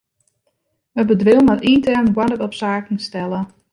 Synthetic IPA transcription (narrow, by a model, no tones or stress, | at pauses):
əbədʋɪlˠmatintɛrnɡwanətɔpsaːkn̩stɛlˠə